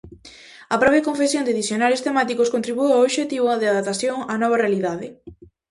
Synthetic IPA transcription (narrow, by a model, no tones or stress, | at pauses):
ɐpɾɔβekõɱfesjond̪eðisjonaɾest̪emat̪ikoskõnt̪ɾiβuaoβʃet̪iβoðɪaðat̪aθjoŋanɔβ̞ɐrealiðaðɪ